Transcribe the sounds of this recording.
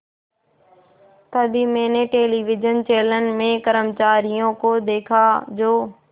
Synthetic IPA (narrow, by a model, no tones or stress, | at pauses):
t̪əd̪imẽːneʈeːliːʋɪd͡ʒənt͡ɕeːlənɪ̆mẽkəɾəmt͡ɕaːɾijõkod̪eːkʰad͡ʑoː